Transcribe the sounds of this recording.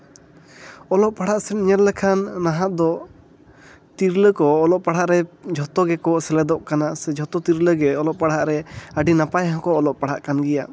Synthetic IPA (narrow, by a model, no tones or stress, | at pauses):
ɔlɔʔpaɽ̤aʔsɛɲɛllɛkʰanːaɦaʔd̪ɔ | t̪iɾləkɔːlɔʔpaɽ̤aʔɾɛd͡ʒʱɔt̪ɔɡɛkɔsɛlɛd̪ɔʔkanasɛd͡ʒʱɔt̪ɔt̪iɾləɡɛɔlɔʔpaɽ̤aʔɾɛəɖinapajɦãkɔːlɔʔpaɽ̤aʔkanɡɛja